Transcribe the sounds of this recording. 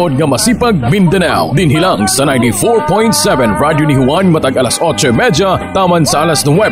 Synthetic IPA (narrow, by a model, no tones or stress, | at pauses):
od̪̚ŋɐmɐsiːpɐɡ̚mɪnd̪ɐna̰wd̪ɪnɦɪlaŋsɐnajnt̪ifɔɹpɔjnt̪sɛvɛ̃nɹad̪jonɪhʊwanmɐt̪aɡɐlasʔot͡ʃomɛd͡ʒɐt̪aːmɐnsɐʔalɐsnɐwɛ